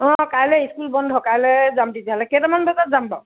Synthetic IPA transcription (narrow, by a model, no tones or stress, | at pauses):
ɔ̃kajlɛiskulbɔndʱɦɔkalɛzamtiziɦalɛketamanbʱatazamba